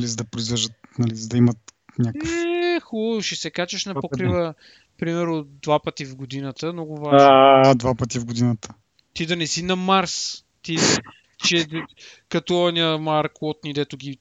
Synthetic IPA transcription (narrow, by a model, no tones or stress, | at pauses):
ɐlizɐd̪ɐpɾʊizvɛʒd̪ət̪nɐlizɐd̪ɐimɐt̪ | nʲaknəfɛɛxuʃɛsɛkat͡ʃɐʃnɐppokɾivə | pɾimɛɾnʊd̪vapət̪ivɡod̪inət̪əmnɔɡʊvaʒad̪vapət̪ivɡod̪inət̪ə̥ | t̪id̪ɐnɛsinɐmaɾs | t̪i | t͡ʃɛ | kɐt̪ɔɐnʲiəmaɾkɔt̪nid̪ɛt̪ʊɡʲi